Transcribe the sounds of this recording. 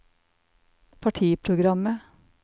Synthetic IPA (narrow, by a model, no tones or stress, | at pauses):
pʰɑʈʰiːpʰɾʊɡɾɑmə